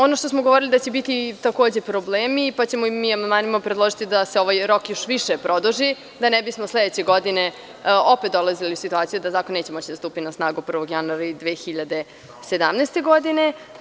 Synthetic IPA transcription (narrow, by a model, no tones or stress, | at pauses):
o̞noʃt̪o̞smoɡoʋoɾilid̪at͡ɕebit̪it̪ako̞ːd͡ʑe̞pɾobleːmipat͡ɕemoimːiamand̪maːnimapɾed̪lˠo̞ʒit̪id̪aseo̞ʋajɾo̞kjoʃʋiʃepɾo̞d̪uʒi | d̪anɛbismosled̪et͡ɕe̞ɡo̞d̪ine̞ | opet̪̚d̪o̞lˠaziliusit̪uaːt̪ijud̪azakoneːt͡ɕemot͡ɕid̪ast̪uːpinasnaːɡupr̩ʋoɡjanuaɾaid̪ʋeːxiʎad̪e̞ | se̞d̪amneːst̪e̞ɡo̞d̪ine̞